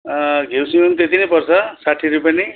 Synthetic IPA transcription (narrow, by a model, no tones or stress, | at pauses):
ɡʱewsimʌnt̪et̪inʌjpʌrt͡sʰʌsaʈʰiɾupjane